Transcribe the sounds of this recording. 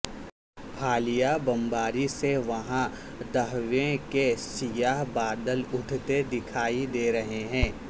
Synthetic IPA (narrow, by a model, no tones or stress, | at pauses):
pʰaːlɪjabɐ̃mbaːɾiseʋɐɦã | d̪ɐɦʋẽkesɪjaːɦbaːd̪əlʊʈʰt̪ed̪ɪkʰaːid̪eːɾɐɦeɦɛ̃ː